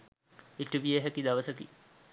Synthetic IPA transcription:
itːubieɦɐkːid̪ɐʋɐsɐkːḭ

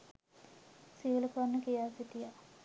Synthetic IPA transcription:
siʋələkuanːəkijaːsit̪ija

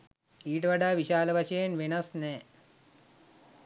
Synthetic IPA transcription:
iːʈʋɐɖaːʋiɕaːlɐʋɐɕɐnʋenɐsne

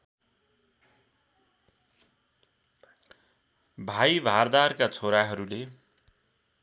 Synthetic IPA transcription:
bʱajbʱard̪arkat͡sʰoɾaɦʌɾule

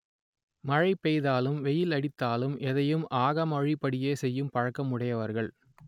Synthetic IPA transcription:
mɐɻɐɪpːɛjðaːlɯmʋɛjɪlɐɽɪt̪ːaːlɯmʔɛðɐjɯmʔaːɣɐmɐɻipːɐɽɪjeːsɛjːɯmpɐɻɐkːɐmɯɽɐjɐʋɐɾɣɐɭ

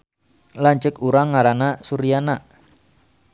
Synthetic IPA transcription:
laɲt͡ʃəkuɾaŋːaɾanasuɾijanaʔ

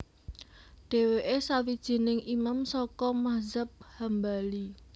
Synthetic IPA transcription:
ɖ̥e̤weʔesawid̥ʒ̥i̤nɪŋimamsɔkɔmazəp̚hambali

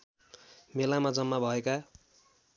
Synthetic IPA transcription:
melamad͡zʌmːabʱʌeka

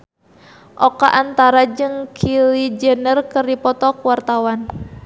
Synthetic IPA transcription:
ʔɔkaʔant̪aɾad͡ʒɨŋkʰilid͡ʒənərkɨrdipɔt̪ɔkwart̪awan

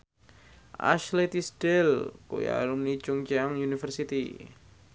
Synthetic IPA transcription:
ʔa̰ʃlet̪isdɛlko̰ja̰lumni̥d͡ʒʊŋt͡ʃaŋjunifərsit̪i

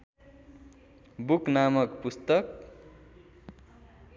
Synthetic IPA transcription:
buknamʌkpust̪ʌk

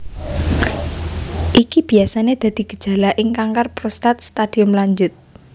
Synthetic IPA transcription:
ʔikib̥i̤asaned̪̥ä̤d̪̥i̤ɡ̥ə̤̥d̥ʒ̥a̤laʔɪŋkaŋkarpɾost̪at̪̚st̪ad̪̥i̤ʊmlaɲd͡ʒʊt̪̚

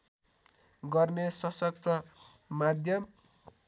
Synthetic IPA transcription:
ɡʌrnesʌsʌkt̪ʌ | mad̪ʱjʌm

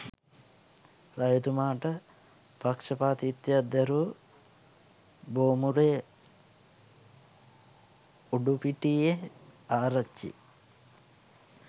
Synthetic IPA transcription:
ɾɐjut̪umaːʈɐ | pɐkʂɐpaːt̪it̪jad̪ɐɾu | boːmuɾeː | uɖupiʈieaːɾɐt͡ʃːḭ

